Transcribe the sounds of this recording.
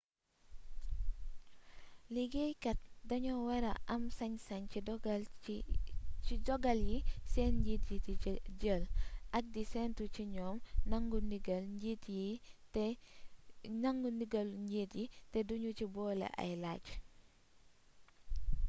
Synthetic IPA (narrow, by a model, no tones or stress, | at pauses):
liɡejkɐt̚dɐɲɔwɛɾɐʔɐmsɐɲsɐɲidɡ | t͡ʃiɟɔɡɐljisɛnɟiːtjitiɟəːlʔɐk̚disɛntuciɲɔːmnɐŋɡuniɡɐlɲɟiːtjit | ɲɐŋɡuniɡɐlɲɟitjitɛduɲucibɔːlɛ̰ʔɐ̰jlaɟ